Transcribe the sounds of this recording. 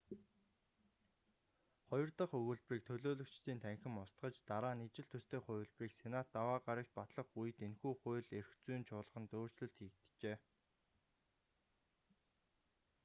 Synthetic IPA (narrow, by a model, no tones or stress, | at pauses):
χɔjɞ̆rt̪ə̆χɵɣɵ̆ɮpriːk̚t̪ʰɵɮoːɮɵ̆kt͡ɕt̪iːnt̪ʰæŋxʲɪ̆mʊst̪ɢə̆t͡ɕt̪aɾaːnit͡ɕɪ̆ɮt̪ʰɵst̪ʰeːχʊj̆ɮpriːksenat̪ːawaːɢaɾʲə̆k̚t̪̚pat̪ɮə̆χuj̆t̪enxuːχʊːɮerxt͡sujnt͡ɕʰʊːɮə̆ʁə̆nt̪oːrt͡ɕɮɵ̆ɮt̪xiːkt̪t͡ɕeː